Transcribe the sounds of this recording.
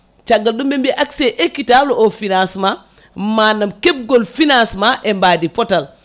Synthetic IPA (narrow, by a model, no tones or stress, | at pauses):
t͡ʃaɡːaldumbembiʔakseʔekːitaloʔofinasma | manamkeb̚ɡolfinasmaʔɛmbaːdipɔtal